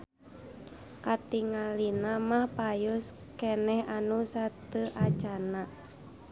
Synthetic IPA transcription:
kat̪iŋalinamahpajʊs | kɛnɛhanusat̪əʔat͡ʃana

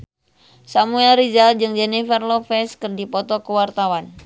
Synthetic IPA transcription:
samuɛlɾizald͡ʒɨŋd͡ʒɛnifərlɔfɛskɨrdipɔt̪ɔkəwart̪awan

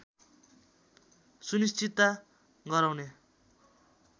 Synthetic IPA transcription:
sunist͡sit̪ːa | ɡʌɾawne

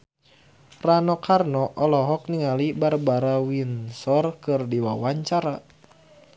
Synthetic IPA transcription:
ranɔkarnɔʔɔlɔɦɔk̚niŋalibarbaɾawinsɔrkɨrdiwawaɲt͡ʃaɾa

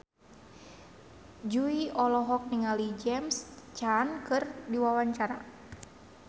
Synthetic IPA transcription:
d͡ʒuiʔɔlɔɦɔk̚niŋalid͡ʒɛmst͡ʃankɨrdiwawaɲt͡ʃaɾa

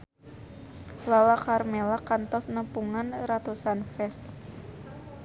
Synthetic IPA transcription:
lalakarmelakant̪ɔsnəpuŋanrat̪usanfɛs

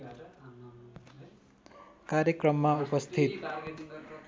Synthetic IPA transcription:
kaɾjʌkrʌmːaupʌst̪ʰit̪̚

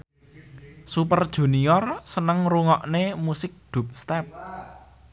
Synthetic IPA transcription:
supərd̥ʒ̥ṳniɔrsənəŋruŋɔʔnemusɪk̚d̪̥ṳp̚st̪ɛp̚

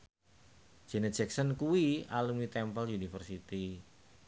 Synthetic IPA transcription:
d͡ʒ̥ɛ̤nəd̥d͡ʒ̥ɛk̚sɔnkuwialumnit̪ɛmpəljunifərsit̪i

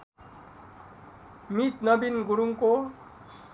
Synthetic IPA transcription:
mit̪nʌbinɡuɽuŋko

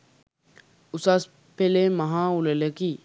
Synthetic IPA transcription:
ʊsas | pelemɐɦãʊleleki

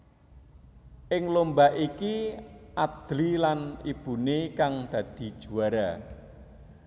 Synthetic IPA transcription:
ʔɪŋlombaʔikiʔad̪̥lilanib̥ṳnekaŋd̪̥ä̤d̪̥i̤d̥ʒ̥ṳaɾa

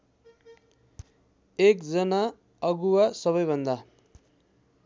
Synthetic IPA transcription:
ekd͡zʌna | ʌɡuwasʌβʌjbʱʌnd̪a

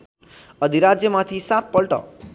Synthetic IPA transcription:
ʌd̪ʱiɾad͡zjʌmat̪ʰisat̪̚pʌlʈʌ̰

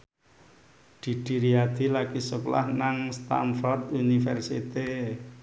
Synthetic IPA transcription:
ɖ̪̥i̤d̪̥i̤ɾiad̪̥i̤lakisukla̰hnaŋst̪a̰nfɔrt̪unifɛrsḭt̪e

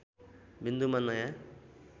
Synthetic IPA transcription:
bind̪umanːaja

